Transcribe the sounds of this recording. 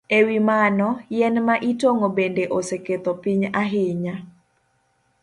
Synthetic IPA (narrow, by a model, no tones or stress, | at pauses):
ewimanɔjɛnmaʔitoŋobendeʔoseket̪opiɲaɦɪɲa